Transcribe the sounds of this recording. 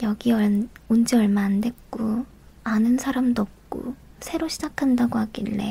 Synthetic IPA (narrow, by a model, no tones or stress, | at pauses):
jʌɡiʌond͡ʑiʌɭmaːnde̞k̚k͈o | anɯnsʰaɾamdʌp̚k͈o̰sʰe̞ɾoɕʰid͡ʑakʰandaɡoɦaɡiɭːe̞̰